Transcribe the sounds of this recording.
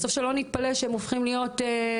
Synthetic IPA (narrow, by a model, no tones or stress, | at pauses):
sofʃelo̞nit̪̚paleʃeemofχimlijo̞te